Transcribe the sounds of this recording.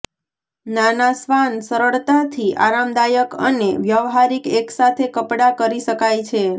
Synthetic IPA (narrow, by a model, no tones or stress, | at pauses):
nanasʋansəɾəɭt̪at̪ʰiʔa̰ɾamd̪ajəkə̰neʋjəʋɦaɾikeksat̪ʰekəpɽakəɾiʃəkajt͡ʃʰe